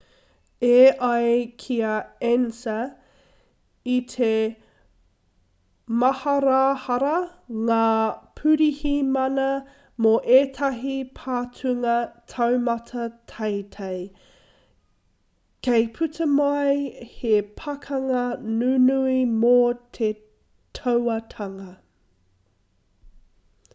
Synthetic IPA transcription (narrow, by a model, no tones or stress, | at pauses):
eʔɐjkʰiɐɛnsɐ | itʰe | mɐhɐɾahɐɾɐŋaːpʰʉɾihimɐnɐ | moʔeːtʰɐɦipʰaːtʰʉŋɐtʰɐwmɐtʰɐtʰɐjtʰej | kejpʰʉtʰɐmajhepʰɐkʰɐŋɐnunuimot̪ʰe | tʰowɐt̪ʰɐŋɐ